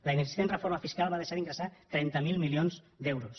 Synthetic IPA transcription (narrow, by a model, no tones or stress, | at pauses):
ləinəɡzi̥st̪enrəfoɾməfiskalˠβaðeʃaðiŋɡɾəsat̪ɾɛnt̪əmilˠmilionz | d̪ɛwɾus